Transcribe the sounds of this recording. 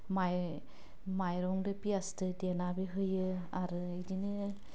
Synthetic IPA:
maj | majɾɔŋdɯpiastɯdenabiɦɯjɯaɾɯidinɯ

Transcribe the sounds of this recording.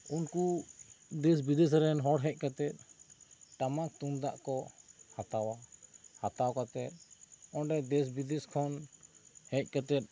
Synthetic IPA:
unku | d̪ɛsbid̪ɛs̬ɾɛnɦɔɽɦɛ̃c̚ˀkat̪ɛt̪̚ | ʈamak̚t̪umd̪aʔkɔhat̪awahat̪awkat̪ɛt̪̚ɔnɖɛd̪ɛsbid̪ɛskʰɔn | hɛ̃c̚ˀkat̪ɛt̪̚

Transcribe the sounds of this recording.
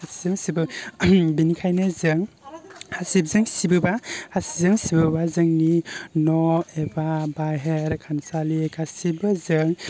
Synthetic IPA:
asizɯŋsibɯbinikʰajnɯzɯŋ | hasib̚zɯŋsibɯbahasi̥zɯŋsibɯbazɯŋninɔebabaɦeɾkʰansalikʰasibɯzɯŋ

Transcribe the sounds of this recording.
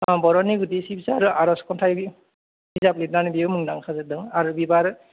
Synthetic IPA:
abɔɾɔniɡutisibʰisaːɾuaɾɔskɔntʰajɡi | izaplit̚nanibiɯmɯŋdaŋkʰazɯdɯŋaɾubibaɾ

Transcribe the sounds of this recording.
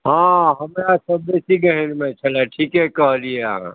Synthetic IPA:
ɦãɦəmeasəbbesiɡəɦẽnmẽt͡ʃʰəleʈʰiːkɦekəɦlieəɦã̰ː

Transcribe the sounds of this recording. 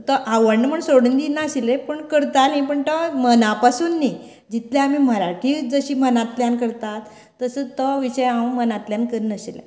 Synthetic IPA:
t̪əʔaʋəɳːm̤əɳsoɽənd̪inasilepəɳkəɾt̪anajpəɳt̪əmənapasuːnːi | d͡ʑit̪ljaamiːm̤əɾaʈʰiːd͡zəɕiːmənat̪ljankəɾt̪at̪ː | əsət̪əʋiɕəjãwmənat̪ljankəɾnəsilḛ

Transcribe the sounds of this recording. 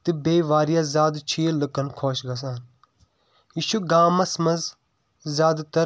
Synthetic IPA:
t̪ibeːʋaːɾijaːzʲaːd̪t͡ʃʰiːlɨkɐnkʰoːʃɡɐs̬aːn | iːʃuɡaːmɐsmɐz | zʲaːd̪t̪ɐ

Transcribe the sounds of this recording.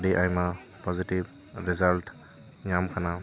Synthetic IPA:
diʔajma | pɔzitib | ɾezalt | jamkʰana

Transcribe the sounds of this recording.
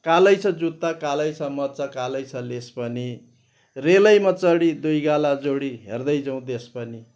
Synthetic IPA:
kalʌjt͡sʰʌd͡zut̪ːakalʌjt͡sʰʌmʌt͡sʌkalʌjt͡sʰʌlespʌni | relʌjmʌt͡sʌɽid̪ujɡalad͡zoɽiɦḛrd̪ʌjd͡zʌw̃d̪espʌni

